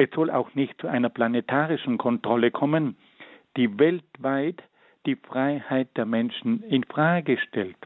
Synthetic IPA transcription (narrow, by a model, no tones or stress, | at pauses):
ʔɛsz̥ɔla̰ʊxnɪçtt͡suʔa̰ɪnɐpl̥anetʰaːʁɪʃn̩kʰɔntʁ̥ɔləkʰɔmən | d̥iːvɛltvaɪt | d̥iːfʁ̥aɪhaɪt̚d̥eːɐmɛnʃn̩ɪnfʁ̥aːɡəʃtɛlt